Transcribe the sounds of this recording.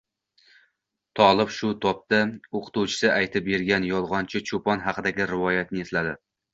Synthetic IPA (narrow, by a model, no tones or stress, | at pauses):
t̪ʰɒlˠɪbʃʊt̪ʰɒp̚t̪aoqt̪uwt͡ʃʰɪ̥sɪʔajt̪ʰɪp̚be̞ɾɡʲanjɒlˠʁɒnt͡ʃʰɪt͡ʃʰopɒnɦɑqɨd̪aɡʲɪɾɪvɒjat̪nɪeslad̪ɪ